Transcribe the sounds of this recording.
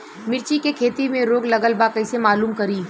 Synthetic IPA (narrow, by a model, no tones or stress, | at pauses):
mɪɾt͡ʃikekʰeːt̪imẽɾoːɡlɐɡəlbakɐɪsemaːluːmkɐɾiː